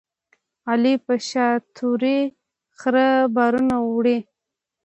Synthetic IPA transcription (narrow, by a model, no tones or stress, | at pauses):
alipəʃɑt̪ʰuɾi | xɾəbɑɾunawɽi